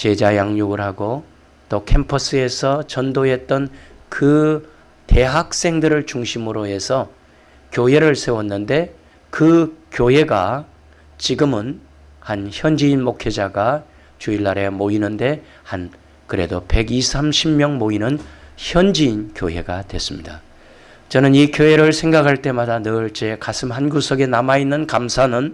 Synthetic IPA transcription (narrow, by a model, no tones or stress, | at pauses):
t͡ɕe̞d͡ʑajaŋɲoɡɯɾɦaɡo | t͈okʰempʰʌs͈ɯe̞sʰʌt͡ɕʌndoɦe̞t̚t͈ʌn | kɯ | te̞ɦak̚s͈e̞ŋdɯɾɯɭt͡ɕuŋɕʰimɯɾoɦe̞sʰʌ | kjoɦe̞ɾɯɭsʰe̞wʌnːɯnde̞ | kɯkjoɦe̞ɡa | t͡ɕiɡɯmɯn | hançjʌnd͡ʑiinmokʰed͡ʑaɡa | t͡ɕuiɭːaɾe̞moinɯnde̞ | han | kɯɾe̞dope̞ɡisʰamɕʰimmjʌŋmoinɯnçjʌnd͡ʑiinkjoɦe̞̰ɡatwe̞s͈ɯmɲida | t͡ɕʌnɯnikjoɦe̞ɾɯɭsʰe̞ŋɡakʰaɭt͈e̞madanɯɭt͡ɕe̞kasʰɯmhanɡusʰʌɡe̞namainːɯnkamsʰanɯn